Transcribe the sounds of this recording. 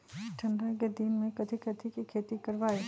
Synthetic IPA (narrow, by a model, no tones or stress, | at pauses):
ʈʰɐ̃ɳɖaked̪inmẽkɐd̪ʰʱikɐd̪ʰʱikikʰeːt̪ikɐɾʋaːeː